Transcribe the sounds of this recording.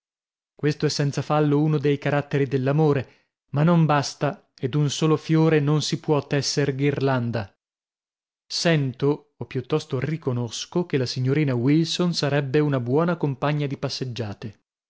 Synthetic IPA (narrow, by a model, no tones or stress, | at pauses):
kwest̪oɛsːɛnt̪safalːounod̪ejkaɾat̪ːeɾid̪elːamoːɾe | manːombast̪a | ed̪unsoːlofjoːɾenonsipwɔt̪ɛsːerɡirland̪a | sɛnt̪oː | pːjut̪ːɔst̪orikonoskokelasiɲːoɾiːnawilsonsaɾɛbːeunabwɔːnakompaɲːad̪ipasːed͡ʒːaːt̪e